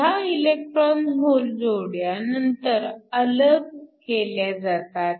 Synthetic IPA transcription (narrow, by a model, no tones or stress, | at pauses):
jailek̚ʈɾɔnɦold͡zoɽjanənt̪əɾələɡ̚keljad͡zat̪at̪